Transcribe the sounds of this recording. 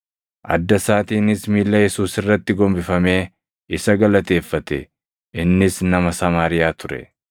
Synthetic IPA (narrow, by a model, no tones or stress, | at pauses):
ʔɐ̰d̪ːɐsaːt̪iːnɪsmiːlːɐjɛsuːsɪrːɐt̪ːɪɡɔmbɪfɐme̞ː | ɪsɐɡɐlɐt̪e̞ːfːɐt̪ɛ̰ | ɪnːɪsnɐmɐsɐmaːɾɪjaːt̪ʊɾɛ̰